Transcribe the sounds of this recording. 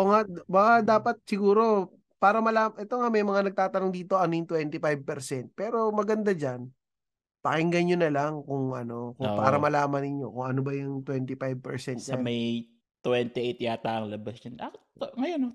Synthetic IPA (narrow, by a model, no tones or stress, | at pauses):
oŋabɐkad̪aːpɐt̪̚sɪɡuːɾo̞ | paːɾɐmɐlaːmʔɛt̪oŋamɐjmɐŋanɐɡ̚t̪aːt̪ɐnoŋd̪iːt̪o̞ʔɐnojʊŋt̪wɛnt̪ɪpajb̚pɛɾsɛnt̪̚pɛːɾo̞mɐɡɐnd̪ad͡ʒan | pɐkɪŋɡɐɲjonɐlaŋkʊŋʔɐ̰no̞kʊpa̰ːɾɐmɐlaːmɐnɪɲːo̞kʊŋɐnobɐjʊŋt̪wɛnt̪ɪfajb̚pɛɹsɛnt̪sɲaɐmɐj | t̪wɛnt̪ɪʔejt̪jaːt̪aːʔɐŋlɐbɐsjɐna̰kt̪oŋɐjono